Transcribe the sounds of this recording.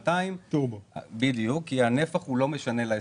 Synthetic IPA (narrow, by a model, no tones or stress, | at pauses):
t̪aimt̪ubbid̪ijukːiane̞faχhulo̞me̞ʃanelae